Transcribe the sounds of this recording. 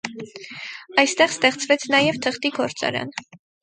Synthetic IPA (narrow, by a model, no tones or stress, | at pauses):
ɑjst̪ɛʁst̪ɛχt͡svɛt͡sʰnɑjɛvt̪ʰəχt̪iɡɔɾt͡sɑ̰ɾɑ̰n